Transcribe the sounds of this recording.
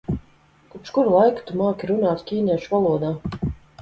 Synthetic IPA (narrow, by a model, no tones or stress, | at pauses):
kupʃkuɾlˠajkt̪umaːkʲiɾunaːt̪skʲiːnʲiɛʃvalˠuɔd̪aː